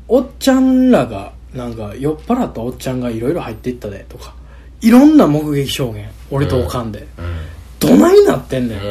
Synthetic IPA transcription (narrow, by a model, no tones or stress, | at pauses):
o̞t͡ɕãnɾaɡa̰ | nãŋkajo̞pːaɾat̪ːoot͡ɕãŋɡaiɾo̞iɾo̞hait̪ːe̞it̪ːad̪e̞t̪o̞kḁ | iɾõ̞nːamo̞kɯ̟ɡe̞kʲi̥ɕo̞ːɡẽ̞ŋ | o̞ɾit̪o̞ːkãnd̪e̞ | d̪̥o̞naɲ̟inat̪ːẽ̞nd̪e